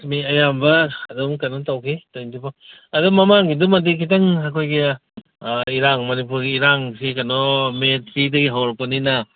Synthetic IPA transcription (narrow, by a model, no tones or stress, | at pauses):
miɐjambɐ̰ːdɔmkanɔntawkʰitojntibaɐdɔmamaŋɡidumadikʰit̬aŋakʰojɡi | iɾaŋmɐnipuɾɡiːɾaŋsikanɔmetɾidɐɡiɦawɾpanina